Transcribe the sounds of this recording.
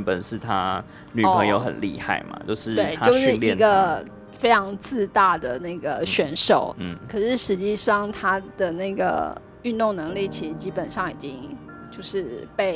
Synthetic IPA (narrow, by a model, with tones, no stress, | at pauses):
npə˨˩nʂɻ̩˥˩t̪ʰa̰˥ | ny˨pʰɤ˧˦˥ŋjo˧ʊxə̰˨˩nlḭ˥˧xa˥˩ɪmɐ̰˨˩t͡ɕjo˥˧ʊʂɻ̩˥˩we˩ɪt̪ʰat͡ɕjo˥˧ʊʂɻ̩˥˧ŋlji˥˧˥ɡə˧ | fe˥ɪʈ͡ʂʰɑ˧˥ŋt͡sɹ̩˥˧t̪a˥˩d̪ə˩na˥˩ɪɡə˩ɕɥɛ˧˥nʂo˨˩˦ʊkʰɤ˨˩ʂɻ̩˥˩ʂɻ̩˧˥t͡ɕi˥˧ʂɑ˥˩ŋt̪ʰa˥d̪̥ə˨na˥˩ɡə̰˩ | y˥˧nt̪ʊ˥˩ŋnɤ˧˥ŋli˥˩t͡ɕʰi˧˥ʂɻ̩˥˧t͡ɕi˥pə˨˩nʂɑ˥˩ŋi˨˩t͡ɕi˥ŋt͡ɕjo˥˧ʊʂɻ̩˥˧pe˥˧ɪ